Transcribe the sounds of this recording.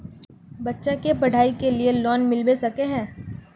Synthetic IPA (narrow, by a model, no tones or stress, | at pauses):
bɐtːʃakepɐɽ̤ʱaːikelielɔːnmɪlbesɐkeɦɛ̃ː